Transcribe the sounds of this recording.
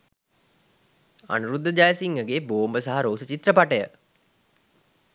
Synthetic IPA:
a̰nuɾud̪ʱːəd͡ʒajsiŋɡəɡeːboːmbəsaɦaɾoːsət͡ɕit̪rəpaʈəjə

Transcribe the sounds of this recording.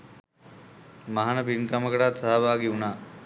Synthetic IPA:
maɦanəpinkaməkəʈat̪saɦaʋaːɡiunaː

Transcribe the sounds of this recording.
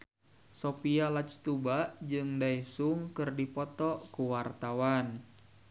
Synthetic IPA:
sopialat͡ʃt̪ubaʔd͡ʒɨŋdaisuŋkɨrdipɔt̪ɔkuwart̪awan

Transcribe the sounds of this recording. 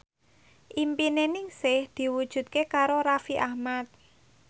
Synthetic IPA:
ʔimpinenɪŋsɪhd̪̥i̤wud̥ʒ̥ṳt̪̚kekaɾoɾafiʔahmat̪̚

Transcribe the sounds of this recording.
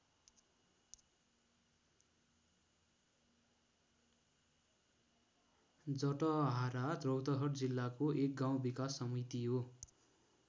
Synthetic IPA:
d͡zʌʈʌɦaɾad̪rʌwt̪ʌɦʌʈd͡zilːakoek̚ɡaw̃bikasːʌmit̪iɦo

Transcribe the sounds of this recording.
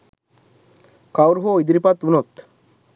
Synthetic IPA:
kawɾɦoid̪ɾipat̪unot̪

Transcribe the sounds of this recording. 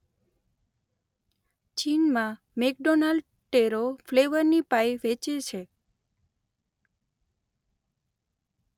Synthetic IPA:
t͡ʃinmã | mek̚ɖonalɖ | ʈeɾofleʋəɾnipajʋet͡ʃet͡ʃʰe

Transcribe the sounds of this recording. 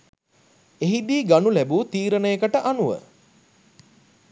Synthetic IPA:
eɦid̪iːɡanulæbut̪iːɾənəjekəʈəʔanuʋə̰

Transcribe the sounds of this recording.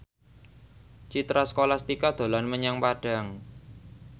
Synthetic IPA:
t͡ʃit̪ɾasə̥kolast̪ikad̪̥o̤lanməɲaŋpaɖ̥a̤ŋ

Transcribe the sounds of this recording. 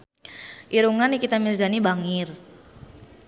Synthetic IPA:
ʔiɾuŋanikit̪amirda̤nibaŋɪr

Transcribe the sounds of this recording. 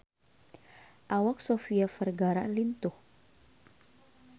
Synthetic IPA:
ʔawak̚sofiafərɡaɾa̰ʔlint̪ʊh

